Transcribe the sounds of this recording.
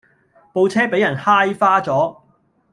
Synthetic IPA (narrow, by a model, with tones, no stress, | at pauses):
po˧wt͡sʰɛː˥pe˨˥jɐ˨˩nhaː˥jfaː˥t͡sɔː˨˥